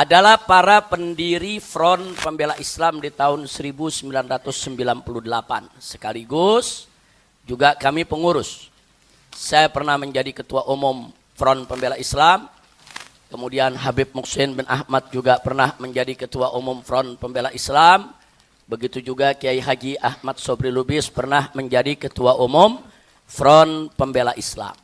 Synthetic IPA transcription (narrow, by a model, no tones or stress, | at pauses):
ʔadalahpaɾapəndiɾifɾɔnpəmbelaʔislamdit̪aʊnsəɾibusəmbilanrat̪ʊsːəmbilanpuluhdəlapa̰nsə̥kaliɡʊs | d͡ʒuɡakamipəŋuɾʊsː | ajapərnahməɲd͡ʒadikət̪uaʔumʊm | fɾɔnpəmbelaislam | kəmudianɦabɪp̚muksɪnbɪnʔa̰hmat̪̚d͡ʒuɡapərnahməɲd͡ʒadikət̪uaʔumʊmfɾɔnpəmbelaʔislam | bəɡit̪ud͡ʒuɡakiaiɦad͡ʒiʔahmat̪̚sobɾilubɪspərnahməɲd͡ʒadikət̪uaʔumʊm | fɾɔnpəmbelaʔisla̰m